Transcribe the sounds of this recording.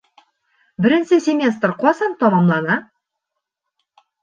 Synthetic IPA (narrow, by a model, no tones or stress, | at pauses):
bɪɾɪ̆nsɘsʲemʲe̞st̪rqʰɒsɑnt̪ʰɒmɑmlˠɑnɑ